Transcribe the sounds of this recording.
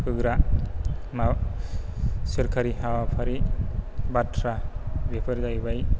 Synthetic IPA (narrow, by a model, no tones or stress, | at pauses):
kʰɯɡɾa | ma | sɯɾkʰaɾiɦawapʰaɾi | batʰɾabepʰɯɾzajbaj